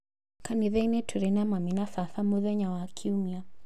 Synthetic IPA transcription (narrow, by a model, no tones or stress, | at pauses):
kaniðɛinɛtʰuɾɛnamaminafaθamuðɛɲawakʰiumia